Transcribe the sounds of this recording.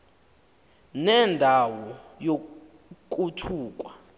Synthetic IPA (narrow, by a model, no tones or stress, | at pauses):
nɛndʱawɔjo | k̬ʼutʰuːk̬ʼwa